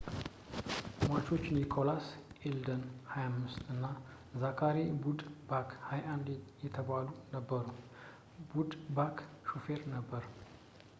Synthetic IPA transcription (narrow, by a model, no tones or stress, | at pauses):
mat͡ʃo̞t͡ʃːɪnikʰo̞lasʔeld̪ənhajamːɨst̪ɨnːa | zakʰaɾibud̪bakʰhajʔand̪jɛt̪ʰəβalunəbːəɾu | bud̪bakʰʃufeɾnəbːəɾ